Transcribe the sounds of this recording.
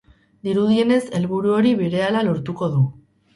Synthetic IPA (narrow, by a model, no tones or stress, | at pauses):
d̪iɾuðie̞ne̞se̞lβuɾuo̞ɾiβeɾe̞alalo̞ɾt̪uko̞ðu